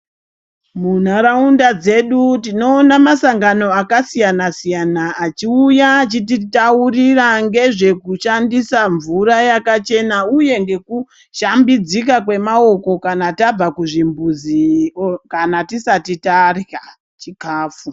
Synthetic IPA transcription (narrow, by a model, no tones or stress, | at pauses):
mun̤aɾaundad͡ze̞ɗutino̞ːnamasaŋɡano̞akasijanasijanaːt͡ʃiujat͡ʃititauriraŋɡe̞ʐe̞kuʃandisaɱvuɾajakat͡ʃe̞nauje̞ŋɡe̞ku | ʃambid͡zikakwe̞mao̞ko̞kanatab͡vakuʐimbuzikanatisatitarja | t͡ʃikaːfu